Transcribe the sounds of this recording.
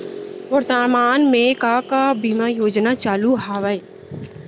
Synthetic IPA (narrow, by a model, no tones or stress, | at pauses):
ʋəɾt̪aːmaːnmẽkakabiːmajoːd͡ʒnat͡ʃaːluɦaːʋəe